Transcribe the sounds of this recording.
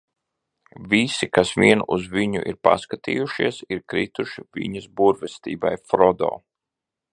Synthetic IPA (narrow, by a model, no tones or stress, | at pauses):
vʲisikasviɛnuzviɲuʔiɾpa̰skat̪ḭːjuʃiɛsiɾkɾit̪uʃivʲḭɲɐsbuɾvɛst̪ḭːba̰jfɾɔd̪ɔ̰ː